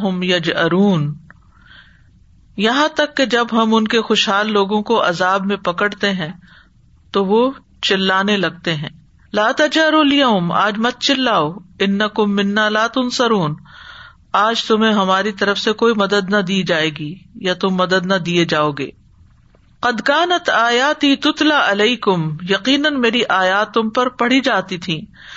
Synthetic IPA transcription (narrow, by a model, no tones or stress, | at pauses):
ɦʊmjɐd͡ʒɐɾuːn | jɐɦãt̪ɐkːed͡ʒɐbɦɐmʊnkexʊʃɦaːlːoːɡõkoʔɐ̰zaːbmẽpɐkəɽt̪eɦɛ̃ | t̪oʋo | t͡ʃɪlːaːnelɐɡ̚t̪eɦɛ̃ː | laːt̪ɐd͡ʒɐɾulɪjɐɦʊma̰ːd͡ʒmɐt̪̚t͡ʃɪlːaːoɪnːɐkʊmːɪnːaːlaːt̪ʊnsɐɾuːn | aːd͡ʒt̪ʊmẽɦɐmaːɾit̪ɐɾəfsekoːimɐd̪əd̪nɐd̪iːd͡ʒaːeːɡijat̪ʊmːɐd̪əd̪nɐd̪ied͡ʒaːoːɡḛː | qɐd̪kaːnɐt̪aːjaːt̪it̪ʊt̪laːʔɐleɪkʊmjɐqiːnənmeːɾiʔaːjaːt̪ːʊ̃mpɐɾpɐɽ̤id͡ʒaːt̪it̪ʰĩː